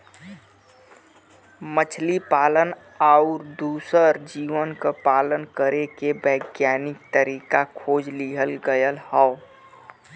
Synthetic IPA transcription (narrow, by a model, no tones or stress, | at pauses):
mət͡ʃʰlipaːlən | aʊɾd̪uːsəɾd͡ʒiːʋənkapaːlənkəɾekebəɪɡjaːnɪk̚t̪əɾiːkakʰoːd͡ʒliɦəlɡəjəlhɔʊ